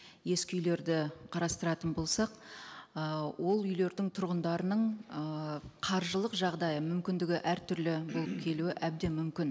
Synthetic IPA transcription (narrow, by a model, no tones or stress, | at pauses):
je̞skʲʏjle̞ɾd̪ɪqʰɑɾɑst̪əɾɑt̪ənbo̞lˠsɑqəwʔo̞lˠʏjle̞ɾd̪ɪŋt̪ʰʊɾʁənd̪ɑɾənəɴəqʰɑɾʒəlˠəqʒɑʁd̪ɑjəmʏmkʲɪnd̪ɪɡʲɪʔæɾt̪ʰʏɾlɪbo̞lˠəp̚kʲʰe̞luɪʔæb̚d̪e̞mʏmkʲɪn